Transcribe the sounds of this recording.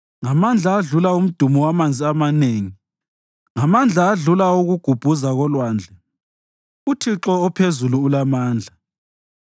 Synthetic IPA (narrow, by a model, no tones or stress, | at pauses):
ŋamand͡ɮʱaːɮulaum̩d̥ʱumɔwamand͡zʱiamaneːŋi | ŋamand͡ɮʱaːɮulauɣuɡ̥ʱub̥ʱuzaɣɔlwaːnd͡ɮʱɛ | utʰiǁɔɔpʰezuluːlamaːnd͡ɮʱa